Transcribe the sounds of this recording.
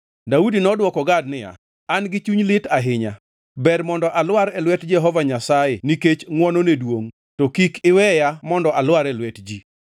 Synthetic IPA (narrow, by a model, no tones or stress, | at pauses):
daudinɔdwɔkɔɡadnɪja̰ | anɡɪt͡ʃuɲlɪtaɦɪɲa̰ | bɛrmɔndɔʔalwaɾɛlwɛtd͡ʒɛɦɔvaɲasajɛniket͡ʃŋwɔnonedwoŋ | tɔkikʰɪwɛjamɔndɔʔalwaɾɛlwɛtd͡ʒi